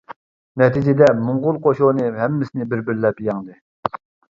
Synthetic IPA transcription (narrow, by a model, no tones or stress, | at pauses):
nɛt̪ʰid͡ʒɪd̪ɛmʊŋʁʊlˠqʰoʃonɨɦɛmːɪsɪnɪbɪɾbɪɾlɛpjɑŋd̪ɨ